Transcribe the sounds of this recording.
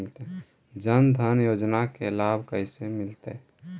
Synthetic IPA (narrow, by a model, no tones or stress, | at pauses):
lt̪e | d͡ʒənd̪ʱənjoːd͡ʒnakelabʱkəɪsemɪlt̪e